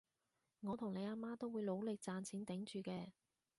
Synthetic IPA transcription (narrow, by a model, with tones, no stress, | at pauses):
ŋɔː˨˧t̪ʰʊ˨˩ŋne˨˧jaː˧maː˥t̪o˥wuː˨˧jlo˨˧wlɪ˨k̚t͡saː˧nt͡sʰiː˨˥nt̪ɪ˨˥ŋt͡ʃyː˨kɛː˧